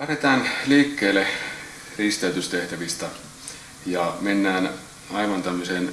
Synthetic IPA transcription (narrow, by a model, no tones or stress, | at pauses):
æret̪æːnliːkːeːlːe | rist̪eyt̪yst̪eht̪æʋist̪ɑ | jɑmenːæːn | ɑiʋɑnt̪æmːøseːn